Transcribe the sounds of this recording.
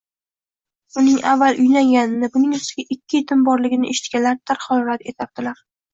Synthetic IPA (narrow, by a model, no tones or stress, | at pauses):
ʊnɪŋavːalˠʔʊjlaŋɡʲanɪnɪbʊnɪŋʊst̪ɪɡʲaʔɪkʲːɪjet̪ʰɪmbɒɾlɪɡʲɪnɪʔeʃɪ̥t̪̚kʲalaɾt̪ʰaɾχɒlɾat̪e̞t̪ʰjap̚t̪ɪlaɾ